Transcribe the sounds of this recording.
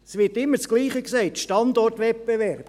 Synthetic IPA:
sʋɪːtɪmːət͡sɡ̥liːχəkseɪtʃtɑndɔrtʋɛpb̥evɛɾb̥

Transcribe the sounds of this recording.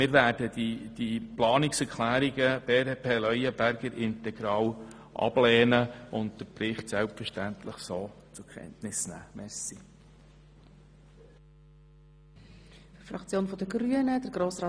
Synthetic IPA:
mɪːɾʋæːɾd̥ədid̥iplɑːnɪksɛɾkʰlæːɾiɡəb̥eːɾepʰeːlœjəbæɾɡəɾʔɪntɛɡ̥ɾɑːw | ʔɑ̰b̥lɛːnəʊntdəpɾɪχtsɛlpfəɾʃtænt̪ləχsoː | t͡sʊɾkʰɛ̰ntnɪsnæ̰ːmɛɾsi | fɾfɾɑkt͡sjoːnfɔd̥əɡɾyənəd̥əɾɡɾoːsɾɑː

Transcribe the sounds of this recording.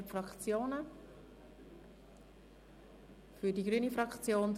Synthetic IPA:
fɾɑkt͡sjoːnə | fyɾdiɡɾyːnifɾɑkt͡sjoːn

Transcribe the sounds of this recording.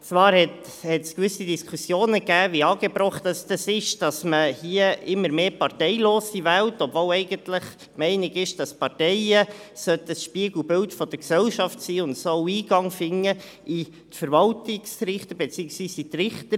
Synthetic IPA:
t͡svɑːɾhɛt | hɛtskvʏsidiskʰusjoːnəɡæːviɑːɡ̥ebɾɔχtɑsd̥ɑsɪʃd̥ɑsməhiːəɪmːəɾmeːpɑrtɛɪloːsivæltɔbvoːlɛɪɡəntlɪχ | mɛɪnɪɡɪʃd̥ɑspɑɾtɛɪəsœt̪əsʃpiəɡl̩bɪltfɔd̥əɾksɛlʃɑftsiːʊntsɔʊiːɡ̥ɑŋfɪŋːə | ʔi | tfəɾvɑltɪksɾɪχtəbet͡siːəksvʋiːsit̪rɪχt̪ə

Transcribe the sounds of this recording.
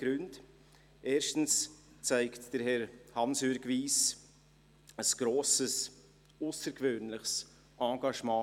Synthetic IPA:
ɡ̥ɾʉnt | ʔeːɾʃtn̩s | t͡saɪktd̥əɾhɛɾhɑnsʏɾɡviːs | əsɡ̥ɾoːsəs | ʊsəɾkvøːnlɪχs | ʔɑ̃ːɡɑʃmɑ̃ː

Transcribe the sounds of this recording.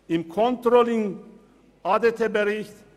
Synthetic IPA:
ɪmkʰɔnt̪ɾolɪŋ | ad̪et̪ʰebəɾɪçt

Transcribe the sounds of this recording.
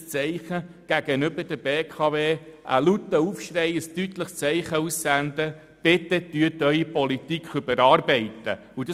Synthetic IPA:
st͡sɛɪχə | ɡ̥æɡ̥ənʏbəɾd̥əbeːkʰɑʋeːʔə̰lut̪ːəufʃrɛɪəstytləχst͡sɛɪχəusːænd̪ə | b̥ɪt̪ətyətœʏipɔlit̪ikχʏbəɾɑːrbɛɪt̪ə̰ | ud̥ɑ

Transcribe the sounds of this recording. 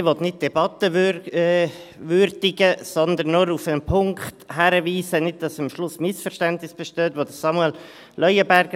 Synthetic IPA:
ʋɔt̪nɪt̚d̥ɛbɑt̪ə | ʋʏɾdɪɡəsɔnd̪ənːoɾufənpʰʊŋkχthæɾəviːsənɪd̚d̥ɑsmʃlʊsmɪsfəɾʃtæntnɪsb̥ɛʃtøːt̪ʋod̥̪əsɑmuɛl | lʔœʏəbæɾɡə

